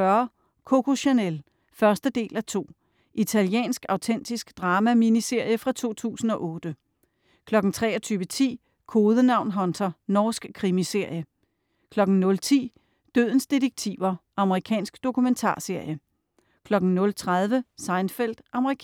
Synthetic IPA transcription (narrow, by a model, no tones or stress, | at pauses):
ɶɐ | kʰokʰo̝ɕo̝nel | fɶɐsd̥əd̥e̝̰ːlæt͡sʰo̝̰ː | ʔit͡sʰæljḛːnsɡ̥ɑ̈ʊt͡sʰen̰d̥isɡ̥d̥ʁɑːmæminise̝ɐ̰jəfʁɑ̈t͡sʰo̝̰ːt͡sʰṵːsn̩ɒ̽ʔɔ̽ːd̥ə | kʰlɒ̽ɡ̥n̩t͡sʰʁɛ̰ːɒt͡sʰyːʋət͡sʰḭː | kʰo̝ːðˠənɑ̈ʊ̰nɦɒ̽nt͡sʰɐnɒːsɡ̥kʰːʁimise̝ɐ̰jə | kʰlɒ̽ɡ̥n̩nɔ̽lt͡sʰḭː | d̥ø̰ðˠn̩sd̥e̝deɡ̥̚t͡sʰḭʊɐʔɑ̈məʁikʰɛ̰ːnsɡ̥d̥o̝kʰument͡sʰɑ̰̈ːse̝ɐ̰jə | kʰlɒ̽ɡ̥n̩nɔ̽lt͡sʰʁað̞ˠʋəsɑ̈ɪnfel̰d̥ʔɑ̈məʁikʰ